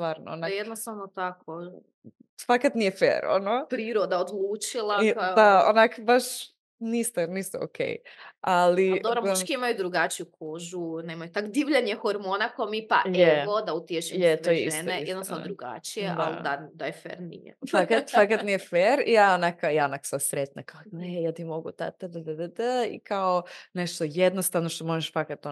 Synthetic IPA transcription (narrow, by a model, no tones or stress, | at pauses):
st̪ʋaːɾnoonajed̪nost̪aʋnot̪ako | sfakat̪nijefḛːɾo̰nopɾiːɾod̪aod̪lˠuːt͡ʃilˠaad̪aonakbaʃ | niːst̪enist̪eo̰kʰḛjalid̪oɾokiimajud̪ɾuɡat͡ʃijukʰoːʒunemajut̪akd̪iʋʎaɲexoɾmonakomipa̰jeeod̪aut̪ieʃimjmjɛt̪ojeisnejisɛd̪not̪and̪ɾuɡa̰t͡ʃijeʔa̰lad̪ajefḛɾnḭjḛfakat̪fakat̪nijefeɾijaonakajaːonaksad̪sɾet̪nakaoejaːt̪imo̞ɡṵt̪a̰t̪əd̪əd̪əd̪əd̪əḭkaoneʃt̪ojed̪nost̪avnoʃt̪omoʒeʃfakat̪o